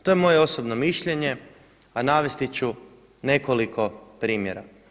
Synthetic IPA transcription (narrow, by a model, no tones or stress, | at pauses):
t̪o̞jemo̞jeo̞sobno̞miʃʎe̞ɲe̞ | anaːʋe̞st̪it͡ɕu | ne̞kolikʰo̞pɾiːmje̞ɾa̰